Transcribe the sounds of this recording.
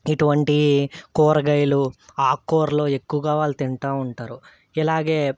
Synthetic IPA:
iʈuʋɐɳʈikɔːɾɐɡɐjluaːkoːɾlo̞ːe̞kːuʋɐɡaːʋaːlːɐt̪iɳʈaːuɳʈaːɾu | ɛlaːɡe̞ː

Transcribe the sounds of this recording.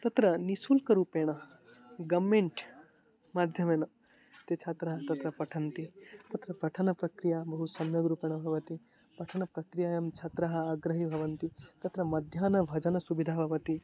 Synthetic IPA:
t̪ɐt̪ɾɐnisulkɐɾuːpeːɽ̃ɐ | ɡɐmːẽɳʈ | mad̪ʱjɐmenɐ | t̪et͡ʃʰat̪ɾɐɦɐt̪ɐt̪ɾɐpɐʈʰɐnt̪it̪ɐt̪ɾɐpɐʈʰɐnɐpɾɐkɾijabɐɦut̪sɐmjɐɡɾuːpeɽ̃ɐbʱɐʋɐt̪i | pɐʈʰɐnɐpɾɐkɾijaːjɐmt͡ʃʰat̪ɾɐɦɐaɡɾɐɦibʱɐʋɐnt̪it̪ɐt̪ɾɐmɐd̪ʱjanɐbʱɐd͡ʒɐnɐsubid̪ʱaːbʱɐʋɐt̪i

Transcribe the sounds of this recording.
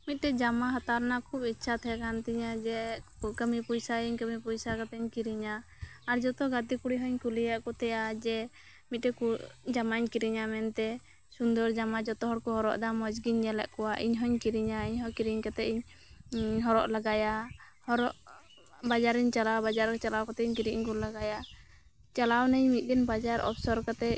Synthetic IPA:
mit̪̚ʈɛd͡ʒamaɦat̪aɾnakʰubitːt͡ʃʰat̪ʰɛakʰant̪iɲad͡ʒɛkəmipujsaiɲkəmipujsakat̪ɛɲkiɾiɲaː | ɾd͡ʒɔt̪ɔɡat̪ikuɽiɦɔɲkulijaʔkɔt̪ɛjad͡ʒɛ | mit̪̚ɾɛkud͡ʒamaɲkiɾiɲamɛnt̪ɛ | sund̪ɔɾd͡ʒamad͡ʒɔt̪ɔɦɔɽkɔɦɔɾɔ̰ʔd̪amɔd͡ʒɡiɲːɛlɛ̰ʔkɔwaʔiɲɦɔɲkiɾiɲaiɲɦɔkiɾiɲkat̪ɛiɲ | ɦɔɾɔʔlaɡaja | hɔɾɔʔ | bad͡ʒaɾiɲt͡ʃalawbad͡ʒaɾkɛt͡ʃalawkat̪ɛiɲkiɾiʔɲɡullaɡaja | t͡ʃalawnɛɲmit̪̚d̪ɛnbad͡ʒaɾɔ̰pʰsɔɾkat̪ɛ

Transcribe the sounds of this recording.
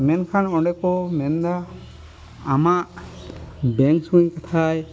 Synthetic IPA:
mɛnkʰanɔɳɖɛkomɛnd̪aː | maʔ | bɛŋksuiɲkat̪ʰaj

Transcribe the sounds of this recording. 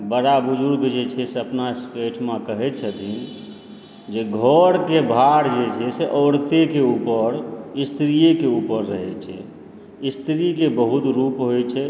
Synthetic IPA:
bəɽabud͡ʒuɾkd͡ʒet͡ʃʰɛseəpnaskeʈʰmakəɦɛt̪̚t͡ʃʰət̪in | d͡ʒeɡʱɔɾkebʱaɾd͡ʒet͡ʃʰɛseʔɔːɾt̪ekeupəɾist̪ɾijekeupəɾːəɦɛt͡ʃʰɛ̰ | ist̪ɾikebəɦut̪ɾupɦojt͡ʃʰɛ

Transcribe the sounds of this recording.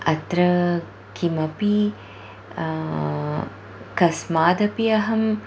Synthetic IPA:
ɐt̪ɾɐ | kimɐpi | kɐsmaːd̪ɐpiɐɦɐm

